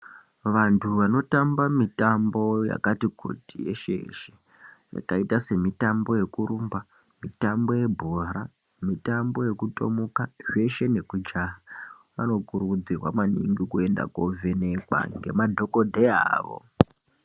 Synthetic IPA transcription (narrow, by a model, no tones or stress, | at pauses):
ʋantʰuʋano̞tambamitambo̞ja̰katikʰo̰tije̞̰ʃḛʃe | ja̰kaitase̞mitambo̞je̞kuɾumba | mitambo̞je̞bʱoɾa | mitambo̞je̞kuto̞̰mukaʐe̞ʃe̞ne̞kud͡ʒaɦa | ʋa̰no̞kuɾud͡zirwa̰maniŋɡikue̞nda̰kovene̞kwa̰ŋɡe̞madʱo̞ko̞dʱeaːʋo̞̰